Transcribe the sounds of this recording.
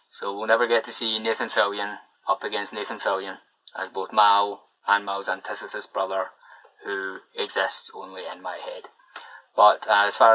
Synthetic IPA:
sowilˠnɛvə˞ɡɛtʰəsineθə̃nfɪlˠjə̃n | ʌpəɡɛ̃nsneθə̃nfɪlˠjə̃n | ʔə̰zboθmaʊ | ə̃nmaʊzãntʰɪθəθəsb̥ɹʌðə˞ | hʉɪɡz̥ɪstsõ̰nlˠiɪ̃nmaɪhɛd̥ | b̥ʌʔəz̥fa

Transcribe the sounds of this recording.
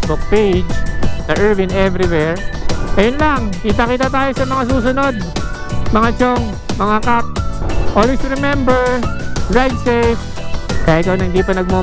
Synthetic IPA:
bʊk̚pejd͡ʒnɐʔɛɹvɪnɛvɾɪwɛɹʔɐjonlaŋkit̪ɐkiːt̪ɐt̪aːjosɐmɐŋas̬uːs̬ʊno̞d̪̚ | mɐŋat͡ʃoŋ | mɐŋakap̚ʔolwɛsɾɛmɛmbɛɹɹajd̪sejf | kajɪt̪̚kɐonɐŋhɪnd̪ipɐnɐɡ̚mo

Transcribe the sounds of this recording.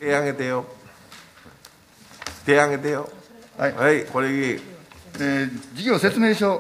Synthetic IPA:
eaɡe̞t̪ejo | t̪eaɡe̞t̪ejohaihaikoɾeie | ed͡ʑiɡʲo̞ːset͡sɨmeːɕoː

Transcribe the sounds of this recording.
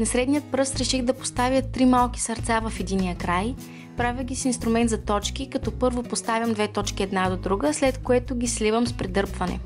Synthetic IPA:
nɐsɾɛd̪nijət̪̚pɾɤst̪ɾɛʃiɣd̪ɐpo̥st̪avʲjət̪ːɾimalˠki̥sɐɾt̪savɐfɛd̪inijəkɾaj | pɾavʲiɡʲisiinst̪ɾʊmɛnt̪zɐt̪ɔt͡ʃkikɐt̪ɔpɤɾvopost̪avʲjəmd̪vɛt̪ɔt͡ʃkiɛd̪nad̪od̪ɾuɡəslɛt̪koɛt̪ʊɡʲislivəmspɾɛd̪ɤɾpvɐnɛ̰

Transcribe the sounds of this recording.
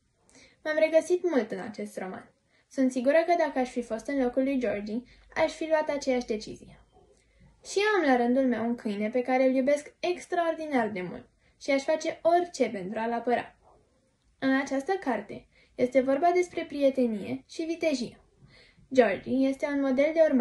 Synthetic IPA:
mamre̞ɡəsit̪mult̪ɨna̰t͡ʃe̞st̪ro̞ma̰n | sunt̪siɡuɾəkəd̪akəaʃfifo̞st̪ɨnlo̞kulːujd͡ʒo̞rd͡ʒi | a̰ʃʲfiluat̪at͡ʃe̞jaʃʲd̪e̞t͡ʃḭzije̞ | ʃiamlaɾɨnd̪ulme̞wuŋkʰɨjne̞pe̞kaɾe̞ljube̞ske̞kst̪ɾao̞rd̪inard̪e̞mṵlt̪̚ | ʃiaʃfat͡ʃe̞o̞rʲt͡ʃe̞pe̞nt̪ɾualapəɾa̰ | ɨnat͡ʃast̪əkart̪e̞ | je̞st̪e̞vo̞rbad̪e̞spɾe̞pɾije̞t̪e̞nije̞̰ʃivit̪e̞ʒie | d͡ʒo̞rd͡ʒije̞st̪e̞unmo̞d̪e̞ld̪e̞urm

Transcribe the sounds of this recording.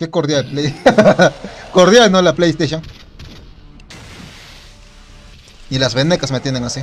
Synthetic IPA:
kekoɾðjaple | koɾðjalnolaplejest̪eʃjoŋ | ilazβenekasmet̪jeneŋasi

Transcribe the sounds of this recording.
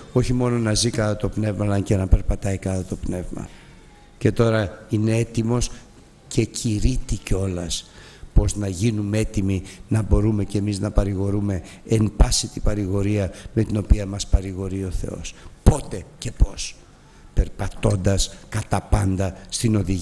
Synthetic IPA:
o̞çimo̞no̞nɐzikɐtɐt̪o̞pne̞vmɐlɐɲcenɐpe̞ɾpɐt̪ɐikɐθɐt̪o̞pne̞vmɐ̰ | ce̞t̪o̞ɾɐine̞e̞t̪imo̞s | cʰe̞cʰiɾit̪iceo̞lɐs | po̞znɐʝinumee̞t̪iminɐbo̞ɾumecemiznɐpɐɾiɣo̞ɾume̞embɐsit̪ipɐɾiɣo̞ɾiɐme̞t̪ino̞piɐmɐspɐɾiɣo̞ɾio̞θe̞̰o̞̰spo̞t̪e̞ce̞po̞s | pe̞ɾpɐt̪o̞nd̪ɐskɐt̪ɐpɐnd̪ɐst̪ino̞ðiʝ

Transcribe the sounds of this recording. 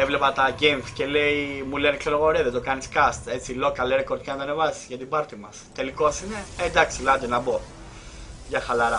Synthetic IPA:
evlepɐt̪ɐʝemθce̞leimulenekseloɣo̞ɾeðed̪okɐniskɐst̪e̞t͡silo̞kɐleɾekoɾt̪çɐnɐt̪oɐne̞vɐsi̥zʝɐt̪ibɐɾt̪imɐst̪e̞liko̞sine̞end̪ɐksilɐd̪enɐbo̞ | ʝɐxɐlɐɾɐ

